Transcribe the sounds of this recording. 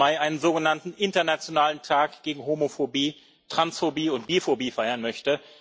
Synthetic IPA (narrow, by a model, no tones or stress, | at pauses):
aɪʔaɪnənzoːɡənantn̩ʔɪntɐnat͡sjonaːləntʰaːkɡ̥eːɡŋ̩ɦomofobiː | tʁ̥ansfobiːʊntb̥iːɐfobiːfaɪɐnmœçtə